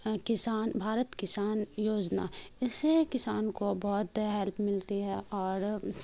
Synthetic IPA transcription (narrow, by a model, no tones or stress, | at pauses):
kɪsaːnbʱaːɾət̪kɪsaːnjoːd͡ʒna̰ːɪsekɪsaːnkobɔːt̪ɦɛlpʰmɪlt̪iɦɛʔɔːɾ